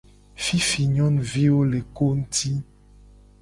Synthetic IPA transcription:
fi˦fi˨ɲɔ̃˦n˨vi˦wo˦le˨ko˦n̩˦tʰi˦

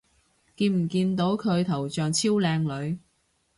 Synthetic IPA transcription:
kiː˧nm̩˨˩kiː˧nt̪o˨˥wkʰɵ˨˧ɥt̪ʰɐ˨˩wt͡ʃœː˨ŋt͡sʰiː˥wlɛː˧ŋlɵ˨˧ɥ

